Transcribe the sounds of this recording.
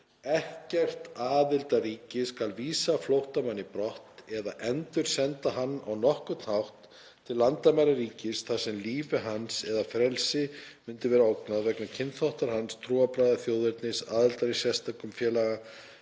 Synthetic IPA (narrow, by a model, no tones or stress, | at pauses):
ɛhcɛr̥t̪aːðɪlt̪aɾiːcɪskalviːsaflowht̪amanːɪpɾɔht̪ɛðaʔɛnt̪ʏɾ̥sɛnt̪aɦanːawnɔhkʏt̪nhawht̪ʰː | ɪlːant̪amajɾaɾiːcɪsθḁsɛmliːvɪɦansɛðafɾɛlsɪmʏnt̪ɪvɛːɾaowknaðvɛknacʰɪnθawht̪aɾ̥hanst̪ʰɾuːapɾajðaθjowðɪɾt̪nɪsa̰ːðɪlt̪aɾisɛst̪akʏmfjɛːlaɣa